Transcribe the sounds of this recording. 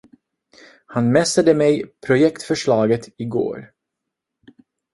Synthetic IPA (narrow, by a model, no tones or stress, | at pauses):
hanmɛsad̪əmɛjpʰɾʊjɛkt̪fœʂɭɑːɡət̪ʰɪɡo̰ːɾ